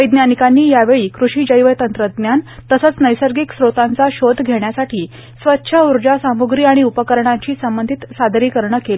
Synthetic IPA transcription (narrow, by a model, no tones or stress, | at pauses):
ʋəjd̪njanikanːiːjaʋeɭiːkɾuʂiːd͡ʑəjʋəjt̪ənt̪ɾəd̪njant̪əsət͡snəjsəɾɡiksɾot̪ant͡saɕod̪ʱɡʱeɳjasaʈʰiː | sʋətːɕʰəuɾd͡ʑasamuɡɾiːaɽ̃iupəkəɾɳ̃ãɲt͡ɕiːsəmbənd̪ʱit̪sad̪ʱɾiːkəɾɳəkel